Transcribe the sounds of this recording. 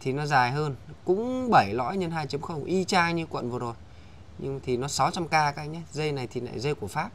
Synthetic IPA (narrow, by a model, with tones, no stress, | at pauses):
t̪ʰi˨˩nɔ˨˦zaː˨˩jɦəː˧nkʊ̰˧˥ŋ͡mɓə˧˩jlɔ̰˧˥jɲə˧nhaː˧˩jt͡ɕə˨˦mxə˧wŋ͡mʔi˧t͡ɕaː˧ɲɨ˧kwə̰˧˨nvɨ˨˩əzo˨˩j | ɲɨ̰˧ŋt̪ʰi˨˩nɔ˨˦sa˨˦wt͡ɕa˧mkaː˧ka˨˦˧ɲa˨˦zə˧jna˨˩jt̪ʰi˨˩la̰ː˧˨jzə˧jku˧˩əfaː˦˥p̚